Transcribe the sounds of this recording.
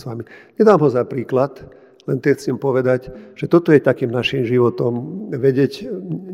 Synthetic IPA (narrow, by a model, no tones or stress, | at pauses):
sʋamiɲɛd̪aːmɦɔzapɾiːklat̪ | lɛnt̪ɛxt͡simpɔʋɛd̪aɟʒ̥ɛt̪ɔt̪ɔjɛt̪akiːmnaʃiːmʒiʋɔt̪ɔmʋɛɟɪɛɟ